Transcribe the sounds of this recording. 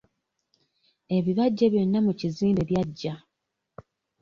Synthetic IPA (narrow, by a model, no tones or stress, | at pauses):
e̞βiβaɟːeβjo̞nːamuciziːmbe̞βjaɟːa